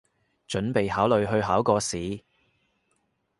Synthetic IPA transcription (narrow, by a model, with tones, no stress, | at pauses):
t͡ʃɵ˨˥npe˨jɦaː˨˥wlɵ˨˧ɥɦɵ˧ɥɦaː˨˥wkɔː˧siː˨˧